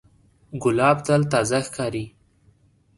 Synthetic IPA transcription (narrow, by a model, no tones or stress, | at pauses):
ɡʊlɑbt̪alt̪ɑzaxkɑɾi